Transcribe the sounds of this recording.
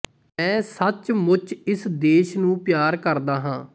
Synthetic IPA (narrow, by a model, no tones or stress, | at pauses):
ɛ̃ːsət͡ʃmʊt͡ʃɪsd̪eːʃnũːpjaːɾkəɾd̪aːɦãː